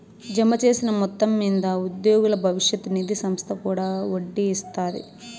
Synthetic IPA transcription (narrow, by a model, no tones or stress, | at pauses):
d͡ʒɐmɐt͡ʃe̞ːsinɐmɔt̪ːɐmːiːnd̪ɐud̪joːɡulɐbʱɐʋiʂjɐt̪ːunid̪isɐmst̪ʰɐkuːɽaːoɖːiːst̪aːɾḭ